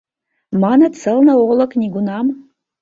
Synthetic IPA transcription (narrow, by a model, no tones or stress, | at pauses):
manɐt͡sʰɐlnɐwolɐkʰʼnʲiɡʷʊnam